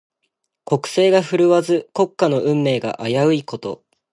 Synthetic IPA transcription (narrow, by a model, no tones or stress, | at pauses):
ko̞kɯ̟̥se̞ːɡaɸɯ̟ɾɯ̟βazɨko̞kːano̞ʔɯ̟̃mːe̞ːɡa̰ʔajaɯ̟iko̞t̪o̞̰